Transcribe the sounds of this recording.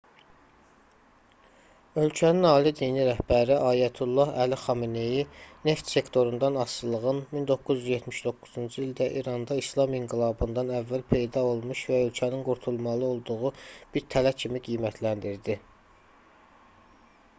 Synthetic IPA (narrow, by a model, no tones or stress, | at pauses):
ø̞lcʰæninɑːlid̪iːniɾæhbæɾiʔɑːjæt̪ʰulˠːɑhælixɑminejine̞ft̪se̞kt̪ʰo̞ɾund̪ɑnɑsɯlˠɯɣɯnmind̪o̞kːuzjyzjet̪miʃd̪o̞kːuz̥und͡ʒɯild̪æʔiɾɑnd̪ɑislˠɑmiŋɡilˠɑːbɯnd̪ɑnævːælpʰe̞jd̪ɑo̞lˠmuʃvæø̞lcʰæninɡuɾt̪ʰulˠmɑlˠɯo̞lˠd̪uʁub̥iɾt̪ʰælæcʰimiɡijmæt̪ʰlænd̪iɾd̪i